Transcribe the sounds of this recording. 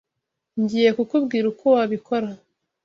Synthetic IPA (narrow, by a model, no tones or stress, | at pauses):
ɲɟiːje̞kukubɡiːɾukʰowaβikʰo̞ɾa